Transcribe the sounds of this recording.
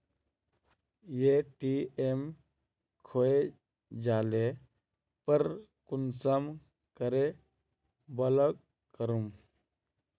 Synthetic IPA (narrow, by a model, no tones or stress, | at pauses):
jeʈiem | kʰoe | d͡ʒaːle | pəɾkunsəm | kəɾe | bələɡ̚ | kəɾum